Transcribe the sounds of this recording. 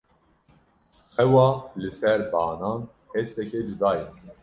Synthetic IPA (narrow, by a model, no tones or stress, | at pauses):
xɛwɑːlɨsɛɾbɑːnɑːn | hest̪ɛked͡ʒud̪ɑːjin